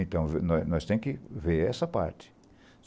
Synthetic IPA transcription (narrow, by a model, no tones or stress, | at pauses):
ẽnt̪ɐ̃w̃venɔnɔst̪ẽj̃kɪveɾɛsɐpa̰ɾt͡ʃ̪ɪ̥